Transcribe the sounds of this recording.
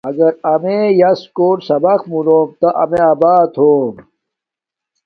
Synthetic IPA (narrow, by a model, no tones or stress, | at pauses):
ɐɡɐɾɐmejɐskoːʈsɐbɐxmuloːmt̪ɐʔɐmeaːbaːt̪ʰoːm